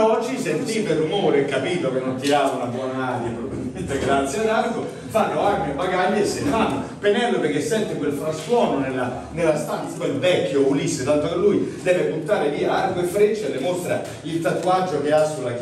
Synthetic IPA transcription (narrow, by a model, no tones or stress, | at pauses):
ɔd͡ʒːisent̪iperːumoːɾeekːapiːt̪okenːont̪iaunabwɔːnaaːd̪japɾobbilmment̪eɡɾat̪sjad̪arko | fanːoarmebaɡaɲːesːelfanːopenɛlːoperk̟esːɛnt̪ekwelfɾast̪wɔːnonelːa | nelːast̪anit̪ːuimvɛkʲːjoulisːet̪ant̪okelːujd̪ɛːvebut̪ːaːɾeviːaarkoefɾet͡ʃːelːemost̪ɾa | ilt̪at̪uad͡ʒːok̟easːulak